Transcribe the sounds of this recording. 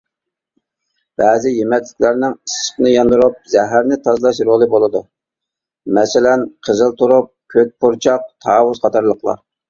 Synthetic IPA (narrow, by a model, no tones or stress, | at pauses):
b̥ɛːzɪjemɛt̪lɪkʲlæɾnɪŋisχnɨjɑnd̪uɾup̚zɛɦæɾnɪt̪ʰɑzlˠɑʃɾolˠɨbolˠɨd̪u | mɛsɪlɛnqʰəzɨlˠt̪ʰuɾup̚kʲʰøt̪̚pʰuɾt͡ʃʰɑq̚t̪ʰɑːwʊzqʰɑt̪ʰɑɾlˠəqlˠɑ̰